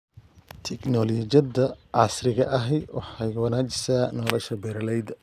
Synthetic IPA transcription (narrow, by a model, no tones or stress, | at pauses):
t̪ʰɛknɔlɔd͡ʒɐd̪ɐʔɑsrɪɣɐʔɐɦɛjwɑ̰ħɑjwɐnaːt͡ʃɪ̥saːnɔlɔʃɐbɛɾlɛjd̪ɐ